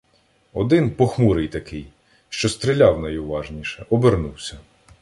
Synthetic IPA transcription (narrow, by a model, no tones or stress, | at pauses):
ɔd̪ɪnpɔxmuɾɪjt̪ɐkɪj | ʃt͡ʃɔst̪ɾɪlʲɑwnɐjʊʋɑʒnʲiʃɛʔɔbernuwsʲɐ